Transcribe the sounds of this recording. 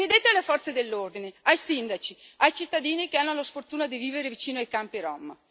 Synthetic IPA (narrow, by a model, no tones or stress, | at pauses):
nid̪et̪ːealːefɔrt̪sed̪elːord̪ineajsind̪at͡ʃiajt͡ʃit̪ːad̪iːnikeanːolosfort̪uːnad̪iviːveɾevit͡ʃiːnoajkampiɾɔmːa̰